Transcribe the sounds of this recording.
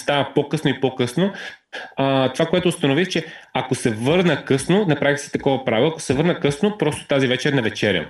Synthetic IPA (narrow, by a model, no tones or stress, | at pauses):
st̪avəpokɤsnoipokɤsno | t̪ovakoɛt̪oːst̪ɐnovixt͡ʃɛɐkosɛvɤɾnəkɤsnonɐpɾavixsɛ̥t̪ɐkɔvɐpɾavɐko̥sɛvɤɾnəkɤsnopɾɔst̪o̥t̪azivɛt͡ʃɛɾnɐvɛt͡ʃɛɾʲjə̰